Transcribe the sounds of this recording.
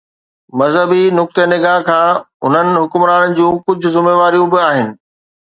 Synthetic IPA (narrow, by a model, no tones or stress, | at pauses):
mɐzɦəbinʊk̚t̪ənɪɡaːɦkʰãː | ʊn̤ənɪ̆ɦʊkmɾaːnd͡ʑũːkʊd͡ʑʱʊ̆zʊmeːʋaːɾijũbɪaːɦɪnɪ̆